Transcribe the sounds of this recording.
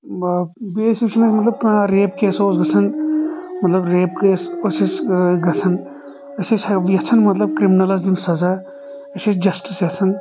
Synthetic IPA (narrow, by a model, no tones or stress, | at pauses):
beːsik̚t͡ʃʰinɐsmɐt̪lɐb̚kaɾeːp̚keːsoːsɡɐt͡sʰɐn | mɐt̪lɐbɾeːp̚keːsosisɡɐt͡sʰɐn | ɐsisjɐt͡sʰɐnmɐt̪lɐb̚kɾiminɐlɐsd͡ʒunsɐza | ɐsisd͡ʒɐsʈisjɐt͡sʰɐn